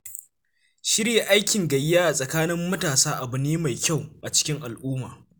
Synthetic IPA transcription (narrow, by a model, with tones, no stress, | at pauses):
ʃɪ˦ɾje˨ʔa˦jkʲɪ˨ŋɡɐ˨jːaː˦ʔa˨sʼɐ˨kaː˦nɪ˦mːɐ˦taː˨saː˦ʔa˨bʊ˨neː˦ma˨jkʲa˦˨wʔa˨t͡ʃɪ̥˦kʲɪ˦ŋʔa˨lʔuː˦maː˨